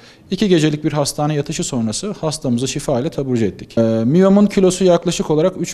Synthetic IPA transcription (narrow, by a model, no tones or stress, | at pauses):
icʰiɟe̞d͡ʒelʲic̚biɾɦast̪ʰaːnɯjat̪ʰɯʃɯso̞nɾasɯhast̪ʰamɯzɯʃifaːilʲɛt̪ʰabuɾd͡ʒɯɛt̪ʰːicmijomuncʰilʲo̞sujaklˠaʃɯko̞lˠaɾakyt͡ʃ